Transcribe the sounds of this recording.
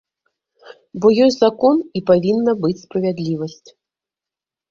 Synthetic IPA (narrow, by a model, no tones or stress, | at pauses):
bɔjɔjʲzakɔnipavʲinːɐbɨt͡sʲspɾɐvʲad̪lʲivɐsʲt͡sʲ